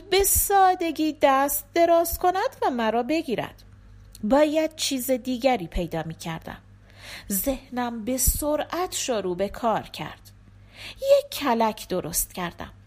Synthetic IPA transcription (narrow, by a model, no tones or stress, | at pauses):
be̞sɒːd̪e̞ɡiːd̪æst̪̚d̪e̞ɾɒːskʰo̞næd̪̥væmæɾɒːbe̞ɡiːɾæ̰d̪̥ | bɒːjæd̪̥̚t͡ʃʰiːzed̪iːɟæɾiːpʰe̞jd̪ɒːmiːcʰæ̰ɾd̪̥æ̰m | zehnæmbe̞soɾʔæt̪ʰʃoɾuːbe̞kʰɒːɾcʰæ̰ɾd̪̥ | jecʰːælæcʰd̪̥oɾo̞̰st̪cæɾd̪æ̰m